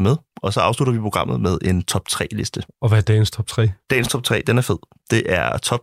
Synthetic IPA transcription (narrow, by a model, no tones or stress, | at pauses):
meðˠɒ̽sɒ̽ɑ̈ʊsluɾɐʋipʰo̝ɡ̥ɑ̈m̰ð̩ˠmeð̞ˠe̝nt͡sʰɒ̽b̥̚t͡sʰʁɛ̰ːle̝sd̥əɒ̽ʋæd̥ɛ̰ːnst͡sʰɒ̽b̥̚t͡sʰʁɛ̰ːd̥ɛ̰ːnst͡sʰɒ̽b̥̚t͡sʰʁɛ̰ːd̥enæɐfe̝ð̞̰ˠ | d̥e̝ʔæɐt͡sʰɒ̽b̥̚